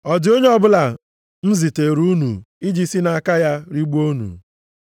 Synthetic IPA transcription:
ɔ˨d͡ʒɪ˨˦o˦ɲe˦ɔ˦bʊ˦la˨ | n̩˦zi˨te˨ɾu˦nṵ˨ | i˦d͡ʒi˦si˦na˨ka˦ja˦ɾi˦ɡ͡bu˦o˦nṵ˨

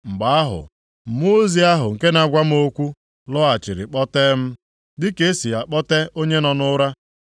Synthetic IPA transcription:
ŋ͡m̩˨ɡ͡ba˨a˦ɦʊ̰˨ | mo˦zi˦a˦ɦʊ˨ŋ̩˨ke˦na˨ɡʷa˦m̩˦o˦kʷu˦ | lɔ˦a˨t͡ʃɪ˨ɾɪ̰˨k͡pɔ˦teː˦m̩˦ | dɪ˦ke˦si˨ja˨k͡pɔ˦te˦o˦ɲe˦nɔ˨nʊ˦ɾa˦

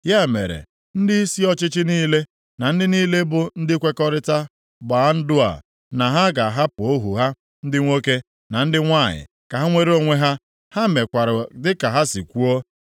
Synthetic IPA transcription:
ja˦˨mḛ˨ɾḛ˨ | n̩˦dɪ˦i˦si˦ɔ˦t͡ʃɪ˦t͡ʃɪ˦niː˦le˦ | na˨n̩˦dɪ˦niː˦le˦bʊ˨n̩˦dɪ˦kʷe˦kɔ˦ɾɪ˦ta˦ | ɡ͡ba˨a˦n̩˦dʊ˦a̰˨ | na˨ɦa˦ɡa˨ɦa˦pʊ˨o˦ɦṵ˨ɦa˦ | n̩˦dɪ˦ŋʷo˦ke˦ | na˨n̩˦dɪ˦ŋʷa˦˨ɲɪ̰˨ | ka˨ɦa˦ŋʷe˦ɾe˦o˦ŋʷe˦ɦa˦ | ha˦me˨kʷa˨ɾʊ˨dɪ˦ka˨ɦa˦sḭ˨kʷu˦o˦

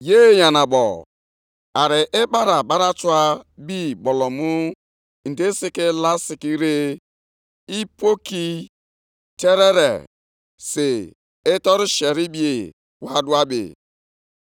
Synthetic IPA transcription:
je˦˨ja˨na˨bɔ̰˨ | a˨ɾɪ˨ʔe˦ba˦ɾa˨ɓa˦ɾa˦tu˦a˦bi˦bɔ˨lɔ˨mu˦ | n̩˨de˦si˦ke˦la˦si˨ki˦ɾe˦ | i˦po˦ki˦ | te˦ɾe˦ɾḛ˨ | se˨ | e˦tɔ˦ɾi˦ʃe˨ɾi˦bi˦e˨ | wa˦du˦a˦bḛ˨

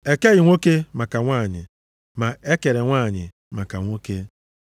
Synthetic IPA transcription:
e˨ke˦ɣɪ˨ŋʷo˦ke˦ma˨ka˨ŋʷaː˦˨ɲɪ̰˨ | ma˨e˦ke˨ɾe˨ŋʷaː˦˨ɲɪ̰˨ | ma˨ka˨ŋʷo˦ke˦

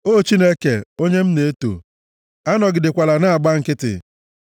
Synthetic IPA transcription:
o˦˨t͡ʃi˦ne˦ke˨o˦ɲe˦m̩˦ne˨e˦to̰˨ | a˦nɔ˨ɡɪ˨dɪ˨kʷa˨la˨na˦a˨ɡ͡ba˦ŋ̩˨kɪ˦tɪ̰˨

